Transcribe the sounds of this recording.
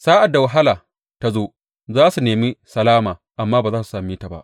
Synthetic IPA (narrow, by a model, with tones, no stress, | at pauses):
saː˦ʔa˨da˨wa˨ɦa˦laː˨ | ta˦zoː˦ | zaː˦su˨neː˨mi˦sɐ˨laː˦maː˨ʔa˨mːaː˦baː˨zaː˦su̥˨saː˨mi˦ta˨ba̰˦ʔ